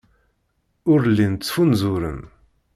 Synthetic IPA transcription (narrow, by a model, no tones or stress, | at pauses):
ʊɾlːint͡sːfunzʊɾə̰n